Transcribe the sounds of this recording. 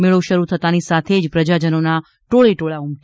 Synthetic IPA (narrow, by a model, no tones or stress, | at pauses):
meɭʋuʃəɾut̪ʰət̪anisat̪ʰed͡ʒpɾəd͡ʒad͡ʒənona | ʈoɭeʈoɭaumk